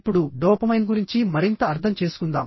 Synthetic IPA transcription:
pːuɽuɖɔːpɐmɐjnɡuɾiɲt͡ʃimɐɾint̪ɐːɾt̪ʰɐmt͡ʃe̞ːsu̥kund̪a̰ːm

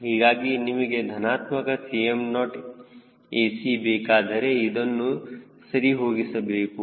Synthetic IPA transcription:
ɦiːɡaːɡinːimiɡed̪ʱɐnaːt̪mɐkɐsiemnɔːʈ | eːsibeːkaːd̪ʱɐɾeid̪ɐnːu | sɐɾiɦoːɡisɐbeːku

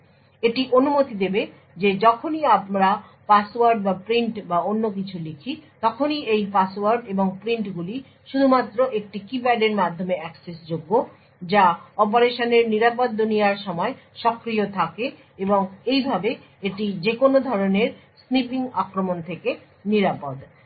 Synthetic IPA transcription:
eʈiʔonumot̪id̪ebe | d͡ʑed͡ʑɔkʰoniamɾa | pasowaɾɖbapɾiɳʈbaonːok̬it͡ɕʰulikʰit̪ɔkʰoniʔejpasowaɾɖeboŋpɾiɳʈɡuli | ʃud̪ʱumat̪ːɾoʔek̚ʈikibɛɖeɾmad̪ʱːomeɛksesd͡ʑoɡːo | d͡ʑaɔp̬oɾeʃoneɾniɾapod̪ːunijaɾʃɔmɔeʃɔkɾiot̪ʰake | eboŋejbʱabe | eʈid͡ʑekonod̪ʱɔɾoneɾ | snipiŋakɾomont̪ʰeke | niɾapod̪

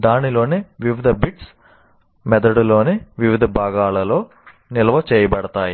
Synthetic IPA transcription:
d̪aːnilo̞ːneʋiʋid̪ʱɐbiʈs | mɛd̪ɐɽulo̞ːneʋiʋid̪ʱɐbʱaːɡaːlɐlo̞ː | nilɐʋɐt͡ʃeːjɐbɐɽɐt̪aːji

